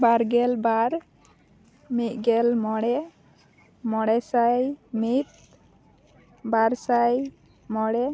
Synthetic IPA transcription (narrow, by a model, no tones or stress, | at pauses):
baɾɡɛlbaɾ | mit̪̚ˀɡɛlmɔɽɛ | mɔɽɛsajmit̪̚ | baɾsaj | mɔɽɛ